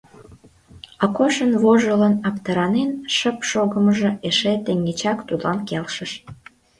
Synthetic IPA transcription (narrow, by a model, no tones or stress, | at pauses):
ɑkoʃənβoʒələnɑpt̪əɾɑnenʃəpʃoɣəməʒə̆eʃet̪eŋet͡ɕɑkt̪ud̪lɑnkelʃəʃ